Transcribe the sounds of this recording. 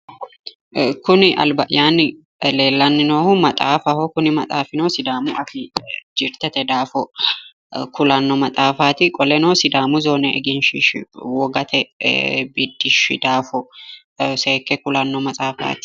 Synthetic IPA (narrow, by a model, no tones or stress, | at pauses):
kʊnɪʔɐ̰lbɐʔɪjaːnɪ | le̞ːlːɐnːɪnoːhʊmɐt̪ʼa̰ːfɐhɔkʊnɪmɐt̪ʼaːfɪnoːsɪd̪aːmʊʔɐfɪd͡ʒɪɾt̪ɛt̪ɛd̪aːfɔ | kʊlɐnːɔmɐt͡sʼaːfaːt̪ɪkʼɔlɛnoːsɪd̪aːmʊzoːnɛɛ̰ɡɪnʃɪʃwɔɡɐt̪ʰɛbɪd̪ːɪʃɪ̰d̪aːfɔ | seːkːɛkʊlɐnːɔmɐt͡sʼaːfa̰ːt̪ɪ̥